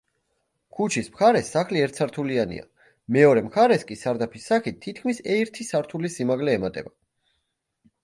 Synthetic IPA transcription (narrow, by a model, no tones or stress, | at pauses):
kʰut͡ʃʰismχaɾɛsːaχliɛɾt̪sʰaɾt̪ʰulianḭa̰ | mɛɔɾɛmχʰaɾɛskʼisaɾd̪apʰisːaχit̪ʰːit̪̚ʰkʰmisɛɾt̪ʰisaɾt̪ʰulisimaɡlɛːmat̪ʼɛ̰ba